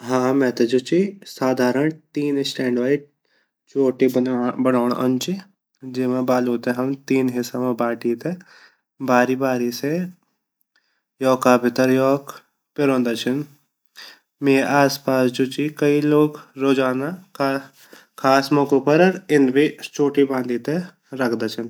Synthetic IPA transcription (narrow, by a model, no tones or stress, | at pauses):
ɦãːmɛ̃ːt̪ed͡ʒot͡ʃisaːd̪ʱaːɾəɳt̪iːnsʈɛ̃ːɳɖʋaːiʈ̚ | t͡ʃoːʈibɐnaːɳɐ̰nt͡ʃi | d͡ʒɪmãbaːloːt̪eɦɐmt̪iːnɦɪsamãbaːʈiːt̪e | baːɾibaːɾise | jɔːkaːbɪt̪əɾjɔːk | pɪɾõːnd̪at͡ʃʰən | meːʔaːspaːsd͡ʒot͡ʃiːkɐiloːɡɾoːd͡ʒaːna | kʰaːsmɔkupəɾɾɪnbit͡ʃoːʈibãːnd̪it̪e | ɾɐkʰd̪at͡ʃʰən